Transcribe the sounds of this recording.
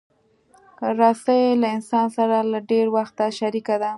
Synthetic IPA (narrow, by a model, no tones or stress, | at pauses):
ɾɑsajelaɪnsɑnsaɾalaɖeɾwaxt̪aʃaɾikad̪a